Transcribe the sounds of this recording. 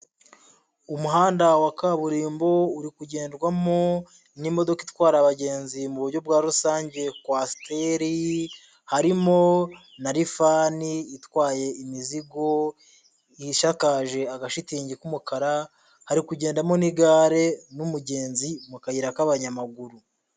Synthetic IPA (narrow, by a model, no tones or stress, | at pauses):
umuɦaːndawakaβuɾiːmbo̞uɾikuɟe̞ːndɡwamo̞ | nimo̞do̞kitwaːɾaβaɟe̞ːnzimuβuɾɟo̞bɡaːɾusaːɲɟe̞kwasteɾi | haɾimo̞ | naɾifaːniːtwaːje̞imiziɡo̞ | iʃakaːʒe̞aɡaʃitiːɲɟikumukaɾa | haɾikuɟe̞ːndamo̞niɡaːɾe̞numuɟe̞ːnzimukajiɾakaβaɲamaɡuɾu